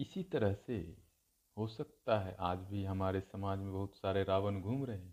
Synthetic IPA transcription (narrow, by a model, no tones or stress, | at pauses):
ɪsit̪ɐɾəɦse | hosɐk̚t̪aɦɛ̰ʔaːd͡ʒbʱiɦɐmaːɾesɐmaːd͡ʒmẽbɐɦʊt̪saːɾeɾaːʋənɡʱuːmɾɐɦẽ